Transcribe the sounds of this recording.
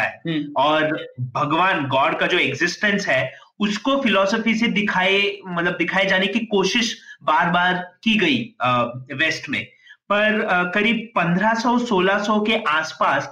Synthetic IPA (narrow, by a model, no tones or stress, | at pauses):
aɦɛɔːɾbʱɐɡʋaːnɡɔːɾɖkad͡ʒoːeɡzɪsʈə̃nsɦɛːʊskofɪlɔːsəfised̪ɪkʰaːemɐt̪ləb̚d̪ɪkʰaːed͡ʒaːnekikoːʃɪʃbaːɾbaːɾkiɡɐi | ʋeːsʈmḛ̃pɐɾkɐɾiːb̚pɐ̃nd̪ʱɾasɔsoːlasɔkeʔaːspaːs